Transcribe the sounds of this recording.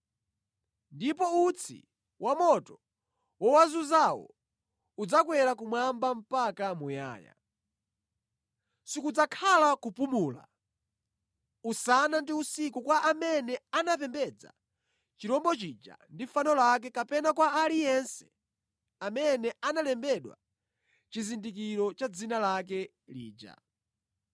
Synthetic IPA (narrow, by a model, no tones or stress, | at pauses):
ndipɔut͡sʰḭ | wamɔtɔ | wɔwazuzawɔ̰ | ud͡zakwɛɾakumwambam̩pakamuja̰ːja̰ | sikud͡zakʰalakupumuːla̰ | usanandiusikukwaʔamɛnɛanap̬ɛmbɛd͡za̰ | t͡ʃiɾɔmbɔt͡ʃid͡ʒa̰ndifanɔlak̬ɛkapɛnakwaːlijɛnsɛ̥ | amɛnɛʔanalɛmbɛɗwa̰ | t͡ʃizindikiɾɔt͡ʃad͡zinalakɛ | lḭːd͡ʒa̰